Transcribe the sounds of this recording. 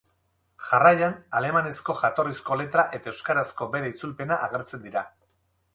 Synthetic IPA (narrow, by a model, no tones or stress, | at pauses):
ʝarajanale̞mane̞sko̞ʝat̪o̞risko̞le̞t̪ɾaʔe̞t̪aewskaɾasko̞be̞ɾeit͡sulpe̞naʔaɣe̞ɾt͡se̞nd̪iɾa